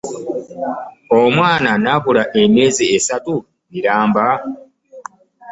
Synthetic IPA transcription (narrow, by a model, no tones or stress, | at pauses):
omwaːnanaβulaʔemje̞ːziːsatu | miɾaːmba